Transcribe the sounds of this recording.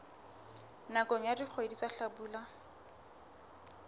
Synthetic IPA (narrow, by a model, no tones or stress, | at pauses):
nakoŋ̩jadik͡xʰoedit͡saɬabuːla